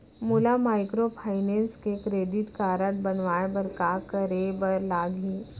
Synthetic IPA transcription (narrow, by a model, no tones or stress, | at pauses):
muːlamaːɪkɾopʰaːɪnẽːnskekɾeːɖɪʈkaːɾəʈbɐnʋaːebɐɾkaːkəɾebəɾlaːɡɦĩː